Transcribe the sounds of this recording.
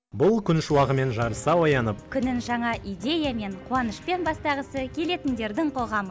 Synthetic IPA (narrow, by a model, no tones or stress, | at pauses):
bʊlˠkʲʰʏnʃɪwɑʁəme̞nʒɑɾəsɑwojɑnəp̚kʲʰʏnɪnʒɑɴɑʔijd̪ʲe̞jame̞ɴqʰuwɑnəʃpe̞nbɑst̪ɑʁəsəkʲʰe̞le̞t̪ɪnd̪e̞ɾd̪ɪŋqʰo̞ʁɑmə